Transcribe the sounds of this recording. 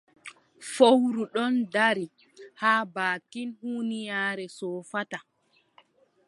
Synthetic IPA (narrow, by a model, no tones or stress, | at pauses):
fowɾuɗɔndaɾi | haːbaːkːinhuːnijaːɾɛsɔːfata